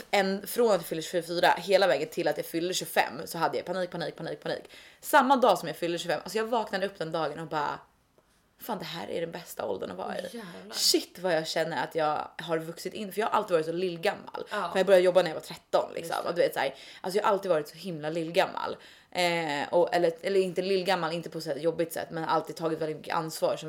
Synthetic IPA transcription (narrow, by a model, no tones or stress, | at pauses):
ɛnfɾonat̪jafʏlːəɕfʏɾfyːɾa̰ɦeːlavɛːɡənt̪ʰɪlːat̪jafʏlːd̪əɕɵfɛ̰mːsɔɦad̪ːəja̰jpʰaniːk̚pʰaniːk̚pʰan̰ːk̚pʰanḭːksamːad̪ɑːsɔmjafʏlːəɕɵfɛmʔals̬ɔjɑːɡvɑːknad̪əɵpːd̪ɛnd̪ɑːɡənɔbɑːa̰ | faːnd̪ɛɦæ̰ːɾæ̰ɖɛnbɛst̪a̰ɔ̰ld̪ə̰nɔvɑ̰ːɾa̰ɪ̰ʃɪt̪ːvajɑɡɕɛnːəɾa̰t̪ʰjɑːɡɦaɾvɵksɪt̪ɪnːfœɾjɑːhaɾʔa̰lt̪idvɑɾɪt̪sɔlɪlːɡamːa̰lfɔjaɡbœɾjad̪əjɔbːanæjavat̪ʰɾɛt̪ːɔnlʔɪ̰ksɔ̰md̪ɵveːt̪saæ̰ːɾʔa̰lsɔjɑːhaʔalt̪id̪vɑːɾɪt̪sɔɦɪmlalɪlːɡamːa̰l | ʔɛɔʔɛ̰lːəɛlːəɾɪnt̪əlɪlːɡamːalɪnt̪əpʰɔsɔæːjɔbːɪt̪sɛ̰t̪ːmɛnhaɾʔalt̪id̪̚t̪ʰɑːɡɪt̪vɛlɪt̪mʏkːə̰ʔa̰nsvɑːɾʂɔ